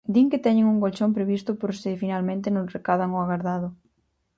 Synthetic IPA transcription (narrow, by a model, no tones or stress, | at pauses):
d̪iŋket̪ɛɲɪŋuŋkolt͡ʃompɾeβist̪ʊpoɾsɪfinalmẽnt̪̬ɪnorekaðaŋoaɣaɾðaðʊ